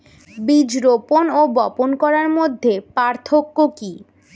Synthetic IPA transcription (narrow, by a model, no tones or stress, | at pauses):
bid͡ʑɾoponobɔponkɔɾaɾmod̪ʱːepaɾt̪ʰokːoki